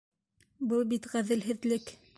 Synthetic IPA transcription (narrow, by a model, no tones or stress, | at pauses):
bɤlˠbit̪ʁæðɘ̆lɦɘ̆ðlɘk